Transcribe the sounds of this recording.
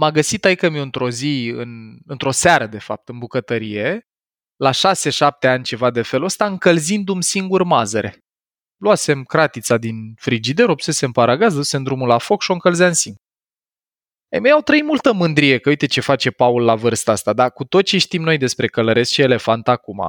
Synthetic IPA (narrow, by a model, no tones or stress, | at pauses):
maɡəsit̪aikəmioɨnt̪ɾo̞ziɨ̰nɨnt̪ɾo̞saɾəd̪e̞fa̰p̚t̪ɨnbukət̪əɾije̞ | laʃase̞ʃap̚t̪e̞anʲt͡ʃe̞vad̪e̞fe̞ləst̪aɨŋkəlzind̪umsiŋɡurmazəɾʔe | luase̞mkɾat̪it̪sad̪infɾid͡ʒid̪e̞ɾo̞pse̞se̞mpaɾaɡaz̬d̪ose̞nd̪ɾumulafo̞kʃio̞ɨŋkəlzaɨnsin | ə̰jmejawt̪ɾəimult̪əmɨnd̪ɾije̞kəuijt̪e̞t͡ʃe̞fat͡ʃe̞paulːavɨrst̪əast̪ad̪akut̪o̞t̪t͡ʃeʃt̪imno̞jd̪e̞spɾe̞kələɾe̞sʃie̞le̞fant̪akuma̰